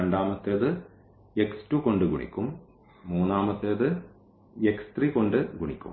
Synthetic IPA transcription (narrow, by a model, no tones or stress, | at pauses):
ɐɳɖaːmɐt̪ːeðɨ | e̞kstuko̞ɳɖɨɡuɳḭkʲːum | muːnːaːmɐt̪ːeːðɨ | ekst̪riko̞ɳɖɨɡuɳikʲːṵm